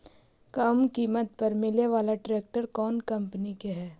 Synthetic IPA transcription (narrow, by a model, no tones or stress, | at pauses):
kɐmkiːmət̪̚pɐɾmɪleʋaːlaʈɾeːk̚ʈəɾkɔːnkɐ̃mpnikeɦɛː